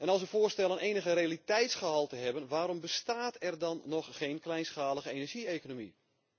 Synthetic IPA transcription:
ɛnɑlˠsʋəfoːstɛlˠənʔeːnəɣəreːalitɛjtsχəɦɑlˠtəɦɛbənʋaːɾɔmbəstaːtʰɛrdɑnːɔxːeːnklɛjnsxaːləɣəeːnɛrʒieːkonomḭ

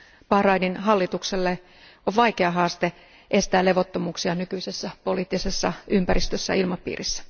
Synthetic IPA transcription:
pɑhrɑininɦɑlːit̪ukselːe | ʔoʋʋɑikeɑɦɑːst̪e | ʔe̞st̪æːle̞ʋot̪ːomuːksiɑnykyisesːæpo̞liːt̪ːisesːɑʔympæɾist̪øsːæ̰ilmɑpḭːrʔisːæ̥

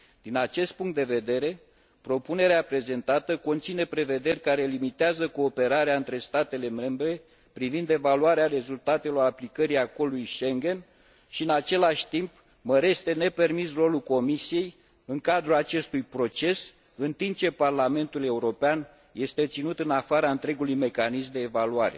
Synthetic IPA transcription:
d̪̥inat͡ʃe̞st̪̚puŋkt̪d̪e̞ve̞d̪e̞ɾe̞ | pɾo̞pune̞ɾeapɾe̞ze̞nt̪at̪əko̞nt̪sine̞pɾe̞ve̞d̪e̞rʲkaɾe̞limit̪eazəko̞ːpe̞ɾaɾeaɨnt̪ɾe̞st̪at̪e̞le̞me̞mbɾe̞ | pɾivind̪e̞valuaɾeaɾe̞zult̪at̪e̞lo̞ɾaplikəɾiako̞lujʃe̞ŋɡʲe̞n | ʃiɨnat͡ʃe̞laʃʲt̪imp | məɾe̞st̪e̞ne̞pe̞rmisro̞luko̞misije̞j | ɨŋkad̪ɾulat͡ʃe̞st̪ujpɾo̞t͡ʃe̞s | ɨnt̪imp̚t͡ʃe̞parlame̞nt̪ule̞uɾo̞pean | je̞st̪e̞t̪sinut̪ɨnafaɾaɨnt̪ɾe̞ɡulujme̞kanizmd̪e̞ːvaluaɾe̞̰

